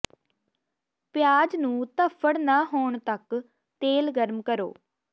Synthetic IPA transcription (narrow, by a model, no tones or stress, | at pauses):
pɪjaːd͡ʒnũːt̪əpʰːəɽnaːɦoːɳt̪ək | t̪eːlɡəɾmkəɾo̰ː